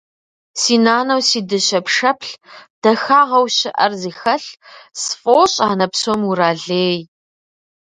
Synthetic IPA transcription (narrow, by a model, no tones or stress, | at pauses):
siːnaːnɐwsiːdɨɕɐpʂɐpʰɬd̥ɐxaːʁɐwɕɪʔɐ̰rziːxɐɬsfʼoːɕʼaːnɐpsomuraːɮeːj